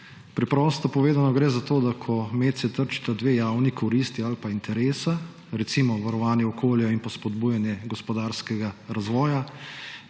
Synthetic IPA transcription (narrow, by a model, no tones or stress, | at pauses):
pɾɛpɾɔːst̪ɔpɔʋeːd̪anɔɡɾeːzat̪oːd̪akʰɔmeːt̪sɛt̪əɾt͡ʃi̥t̪ad̪ʋeːjawnikʰɔɾiːst̪ialpaint̪ʰɛɾeːsa | ɾɛt̪simɔʋaɾɔʋaːnjɛɔkoːljainpɔspɔd̪buːjanjɛɡɔspɔd̪aːɾskɛɡaɾazʋɔːja